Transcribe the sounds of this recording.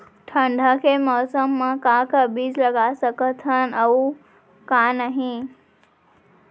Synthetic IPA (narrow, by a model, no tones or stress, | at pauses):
ʈʰə̃ɳɖʱə̆kʰeːmɔːsəmːãkãkəbiːzlɐɡasəkət̪ʰən̆ɐu | kãnəɦĩ